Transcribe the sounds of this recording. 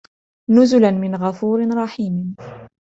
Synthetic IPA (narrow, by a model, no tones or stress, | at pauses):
nʊzʊlanmɪnɣafuːɾɪnɾˤɑħiːmn